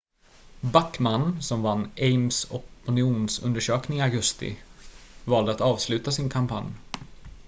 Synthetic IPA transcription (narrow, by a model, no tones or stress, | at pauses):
bakːmanːsɔmvanːʔɛɪmsɔpʊnɪuːnsɵ̰nd̪əʂøːknɪŋaɡɵst̪ɪ̰ | vɑːld̪əat̪ɑːvslʉ̟ːt̪asɪnkʰampʰa̰nj